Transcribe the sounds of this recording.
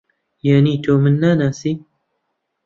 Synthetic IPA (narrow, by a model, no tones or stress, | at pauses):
janiːt̪ʰoːmɨnːaːnaːsiː